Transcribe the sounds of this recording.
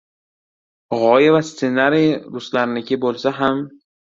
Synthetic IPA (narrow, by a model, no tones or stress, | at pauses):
ʁɒjavast̪se̞naɾijɾʊslaɾlɪɡʲɪbolˠsaɦam